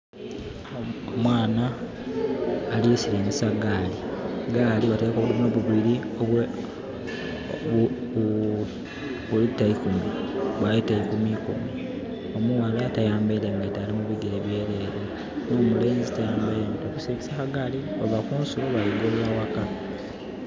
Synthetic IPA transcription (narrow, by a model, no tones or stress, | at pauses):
mwaːna | liesiliːŋisaɡaːliɡaːliβatekoβulimweβuβiɾioβwe | ulitaikumiβwajetaikumikumi | o̞muwalatajaːmbeleŋɡatalimuβiɡeɾeβje̞ːɾe̞ːɾe | noːmule̞ːnzitajaːmbeɾeŋɡatokusikisakaɡaːlioβakuːnsuluβaliɡollawaka